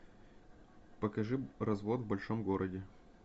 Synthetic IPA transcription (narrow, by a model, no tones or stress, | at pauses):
pəkɐʐɨrɐzvot̪vbɐlʲʂomɡoɾʔədʲɪ